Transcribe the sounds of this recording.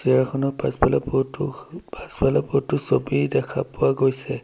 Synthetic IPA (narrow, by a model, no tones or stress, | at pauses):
z̥iaɹkʰɔnɔpaspalapɔtupaspalapotːʊsobidɛkʰapʊwaɡojsɛ